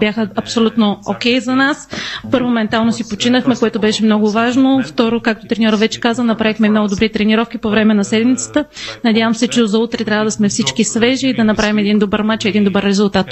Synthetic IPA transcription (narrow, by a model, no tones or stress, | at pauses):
bʲjaxəɐpsolʲut̪nookɛjzɐnaspɤɾvomomɛnt̪alˠnosipot͡ʃinəxmɛkoɛt̪obɛʃɛmnɔɡʊvaʒnoft̪ɔɾokak̚t̪ot̪ɾɛnʲɔɾvɛt͡ʃɛ̥kazənɐpɾavixmɛimnɔɡʊd̪obɾit̪ɾɛniɾɔfk̟ipovɾɛmɛnɐsɛd̪mit̪sə̥t̪ənɐd̪ʲjavəmsɛt͡ʃɛozɐut̪ɾɛt̪ɾʲavəd̪ɐsmɛfsit͡ʃkisvɛʒiːd̪ɐnɐpɾavimɛd̪ind̪obəɾmat͡ʃɛd̪ind̪obəɾːɛzʊlˠt̪at̪